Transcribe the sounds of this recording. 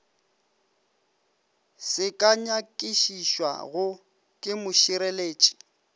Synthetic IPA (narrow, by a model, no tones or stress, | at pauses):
sɪkʼaɲakʼiʃiʃwa̰ɣʊ | kʼɪmʊʃiɾeleːt͡ʃʼi̥